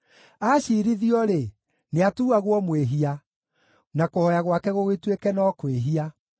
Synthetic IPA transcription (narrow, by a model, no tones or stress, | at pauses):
aɕiːɾiðiɔɾe | neatuːaɣwɔmweɦia | nakohɔjaɣwakɛɣoɣetwekɛnɔkweɦia